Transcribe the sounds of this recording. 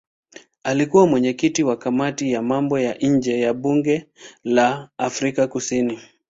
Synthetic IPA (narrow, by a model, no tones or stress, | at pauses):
alikuwamwɛɲɛkitiwakamatijamambɔjaɲ̩d͡ʒɛjaɓuŋɡɛlaːfɾikakusini